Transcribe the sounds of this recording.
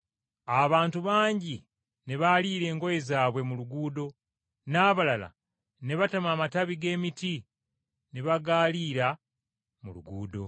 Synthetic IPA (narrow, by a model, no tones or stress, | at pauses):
aβaːntuβaːɲɟi | ne̞βaliːɾe̞ːŋɡo̞je̞zaːβwe̞muluɡuːdo̞ | naːβalala̰ | ne̞βatamaːmataβiɡe̞ːmiti | ne̞βaɡaːliːɾa | mulṵɡuːdo̞̰